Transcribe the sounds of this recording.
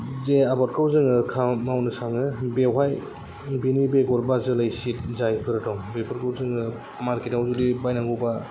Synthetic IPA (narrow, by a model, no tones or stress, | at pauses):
zeabɔt̚kʰɯwzɯŋɯkʰamawnɯsaŋɯbewɦaj | binibeɡɔɾbazɯlajsit̚zajbɯɾɯtɔŋbepʰɔɾkʰɯwzɯŋɯ | maɾkʰetawzudibajnaŋɡɯwba